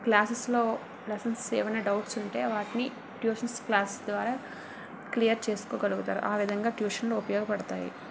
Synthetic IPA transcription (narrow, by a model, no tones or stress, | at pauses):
klaːsɐslo̞ː | lɛsɐnsḛːʋɐnɐɖɐwʈsuɳʈe̞ːʋaːʈini | ʈjuːʃɐnsklaːsesd̪ʋaːɾaː | klijɐɾt͡ʃeːsu̥koːɡɐluɡut̪aːɾṵʔaːʋid̪ʱɐŋɡaːʈjuːʂɐnloːupɐjɔːɡɐpɐɽɐt̪aːjḭ